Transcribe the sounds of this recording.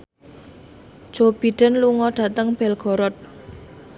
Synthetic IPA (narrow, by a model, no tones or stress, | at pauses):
d͡ʒ̥ob̥iɖ̥ə̤nluŋɔɖ̥a̤t̪əŋb̥ɛlɡ̥ɔ̤ɾɔt̪̚